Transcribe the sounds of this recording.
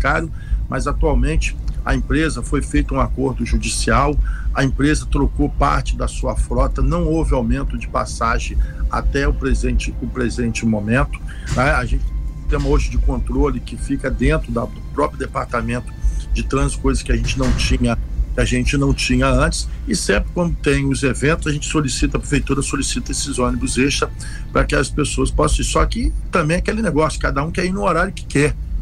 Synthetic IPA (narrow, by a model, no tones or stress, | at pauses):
kaɾjʊ | mʔɐzat̪uawmẽnt͡ʃɪ̥ɐ̰ẽpɾezɐfojfejt̪ɐũakoɾd̪ʊʒud͡ʒisiawɐẽpɾezɐt̪ɾokopa̰ɾt͡ʃɪd̪ɐsuɐfɾɔt̪ɐnɐ̃w̃owvɪawmẽnt̪ʊd͡ʒɪpa̰saʒẽa̰t̪ɛʊpɾezẽt͡ʃɪʊpɾezẽnt͡ʃɪmomẽnt̪ʊ̥nɛaʒẽnt͡ʃɪ̃t̪ẽmɐoʒʊd͡ʒɪkõnt̪ɾolɪkɪfikɐd̪ẽnt̪ɾʊd̪ɐd̪ʊpɾɔpɾjʊd̪epaɾt̪amẽnt̪ʊ̥d͡ʒɪt̪ɾɐ̃zkojzɐskʲɪɐʒẽnt͡ʃɪnɐ̃w̃t͡ʃĩɲɐkɪaʒẽnt͡ʃɪnɐ̃w̃t͡ʃĩɲɐɐ̃t͡ʃɪ̥sɪsẽmpɾɪkwɐ̃nd̪ʊt̪ẽj̃ʊzevẽt̪ʊzɐʒẽt͡ʃɪ̥solisit̪ɐpɾefejt̪uɾɐsolisit̪ɐesɪzõnibʊzeʃɐ | pɾɐkɪɐspesoɐspɔsɐ̃isɔkɪt̪ɐ̃mbẽj̃akelɪneɡɔsjʊ̥kad̪ɐũkɛɾinʊ̃oɾaɾjʊkɪ̥kɛɾ